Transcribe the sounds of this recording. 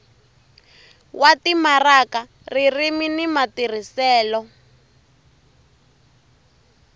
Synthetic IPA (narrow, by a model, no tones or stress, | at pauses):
watimaraka | ririminimatir̤isɛːlɔ